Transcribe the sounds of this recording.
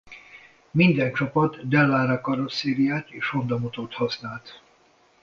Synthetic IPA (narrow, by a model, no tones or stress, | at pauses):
mind̪ɛnt͡ʃɒpɒt̪ːɛlːaːɾakɒɾoseːɾijaːt̪eːʃho̞nd̪ɒmot̪oːt̪hɒsnaːlt̪